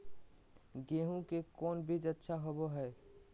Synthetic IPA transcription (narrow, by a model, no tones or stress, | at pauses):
ɡeɦũkekonbʱid͡ʒətːʃʰaɦoboɦɛe